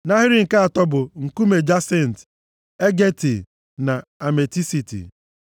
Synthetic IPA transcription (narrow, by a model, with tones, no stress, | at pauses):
na˦ɦi˦ɾi˦ŋ̩˨ka˦a˨tɔ˦bʊ˨ŋ̩˨ku˦me˨d͡ʒa˦se˦˨n̩˨t | e˦ɡe˦ti˨ | na˨a˨me˨ti˦si˨tḭ˨